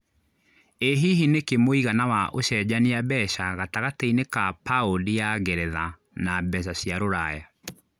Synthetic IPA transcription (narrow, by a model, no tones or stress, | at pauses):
eɦiɦinekemoiɣanawaʔoɕɛd͡ʑaniabɛɕaɣataɣateinekapaolijaɡɛɾɛða | nabɛɕ̬aɕjaɾoɾaja